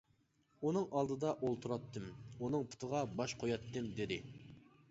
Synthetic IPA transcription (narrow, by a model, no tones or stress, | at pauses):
unɨŋʔɑlˠd̪ɨd̪ɑʔolˠt̪ʰuɾɑt̪ʰːɨmunɨŋpʰu̥t̪ʰəʁɑbɑʃqʰojɑt̪ːɨmd̪ɪd̪ɪ